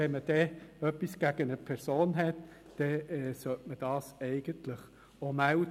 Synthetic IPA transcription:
ɛnməd̥ɛœpːisɡ̥æɡ̥ənəpʰɛɾsoːnɦɛtː | ɛɛsœtməd̥ɑːsɛɪɡ̥ənt̪ləχ | omæl

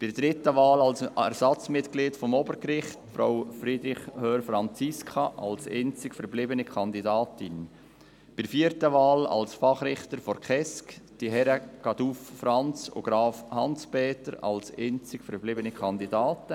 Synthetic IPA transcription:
b̥ɪɾd̥ɾɪtəʋɑːlɑlsɛɾsɑt͡smɪtkliːtfɔmɔbəɾkɾɪχtfɾowfɾid̪ɾɪχhøːɾfɾɑnt͡siskʰɑʔɑlsent͡sɪkfəɾblɪbənikʰɑndidɑːtɪn | b̥ɪɾfiːəɾtəʋɑːlɑ̰lsfɑχɾɪχtəɾfɔɾkʰɛskd̥iɦɛɾəkɑdufːrɑnt͡so̰ɡ̥ɾɑːfhɑnspeːtəɾɑ̰lseːnt͡sɪkfəɾblɪbənikʰɑnd̪idɑːtə

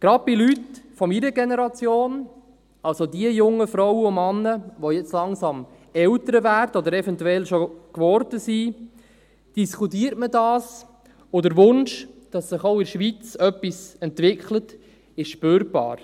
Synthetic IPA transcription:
ɡ̥ɾɑd̚bɪlytfɔmiɾəɡenɛɾɑt͡sjoːn | ɑlsodiəjʊŋːəfɾɔwəʊmɑnːəʋojɛt͡slɑŋsɑm | ɛltəɾəvæːɾdəɔdəɾɛfɛntuɛlʃokʋɔɾd̥əsi | d̥iskutiːəɾtmədɑːs | ʊdəɾʋʊnʃd̥ɑsːɪχoʊɪɾʃʋit͡sœpːisɛntʋɪkχlət | ɪʃʃpøːɾb̥ɑ̰ːɾ

